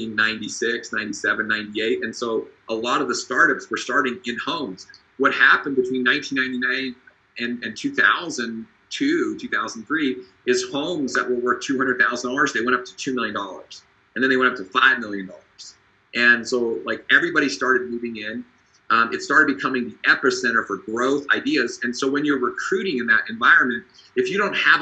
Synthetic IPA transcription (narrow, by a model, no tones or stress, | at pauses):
ĩnnãɪ̃ntisɪksnãɪ̃ntisɛvɨ̃nːãɪ̃ntieɪɾɨ̃nsoʊʔəlɔɾʌvðəstɑɹɾʌpswə˞stɑɹɾɪ̃ŋɪ̃nhõʊ̃mz̥ | wʌt̚hæpɨ̃n̩bɨtʰw̥ĩnːãɪ̃ntʰĩnãɪ̃ntinãɪ̃n | ɨ̃nɨ̃ntʰʉθa̰ʊzɨ̃n | tʰʉtʰʉθaʊzn̩θɹi | ɨz̥hõʊ̃mzðə̰ʔ̚wəlˠwɜ˞k̚tʰʉhʌ̃ndɹd̪̚θaʊzn̩dlˠə˞zðeɪwɛ̃ɾ̃ʌp̚tʰɨ̥tʰʉmɪlˠjɨ̃ndɔlˠə̰˞z̥ | ɨ̃n̩ðɨ̃nðeɪw̃ʌp̚tʰəfaɪvmɪlˠjɨ̃ndɔlˠə˞z̥ | ʔɨ̃nsoʊlaɪkɛvɹibɑɾistɑɹɾɨd̚muvɪ̃ŋɪ̃n | ʌ̃mʔɨtstɑɹɾɨd̚bɨkʰʌmɪ̃ŋðiʔɛ̃pəsɛ̃ɾ̃ə˞fə˞ɡɹoʊθa̰ɪdiɨzɨ̃nsoʊwɨ̃njə˞ɹɨkʰɹ̥ʉɾɪ̃ŋɨ̃nðɨɾʔɨ̃ɱvaɪɹɨ̃nmɨ̃nt̚ | ɨfjɨɾõʊ̃nt̚hɨv